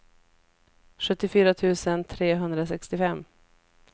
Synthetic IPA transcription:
ɧɵt̪ːɪfyːɾat̪ʰʉ̟ːsənt̪ʰɾeːɦɵnd̪ɾasɛkst̪ɪfɛmː

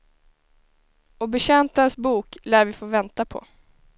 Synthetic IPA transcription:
ɔbɛɕɛnt̪ənsbuːklæːɾvɪfoːvɛnt̪apʰɔ̰

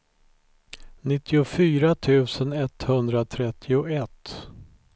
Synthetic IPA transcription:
nɪt̪ʰːɪʊfyːɾat̪ʰʉ̟ːsənɛt̪hɵnd̪ɾat̪ʰɾɛt̪ʰːɪʊɛt̪ː

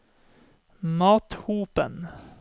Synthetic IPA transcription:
mɑːt̪huːpə̰n

